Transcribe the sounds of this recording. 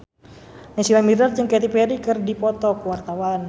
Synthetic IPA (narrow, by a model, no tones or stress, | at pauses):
nasilamirard͡ʒɨŋkɛt̪̬ipɛɾikɨrdipɔt̪ɔkuwart̪awan